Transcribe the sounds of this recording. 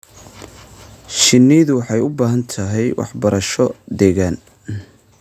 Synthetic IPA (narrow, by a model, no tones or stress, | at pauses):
ʃɪnːiðʊwɑħɑjʊbaːɦɐnt̪ʰɐɦɛjwɑ̰ħbɐɾɐʃɔd̪ɛːɣaːn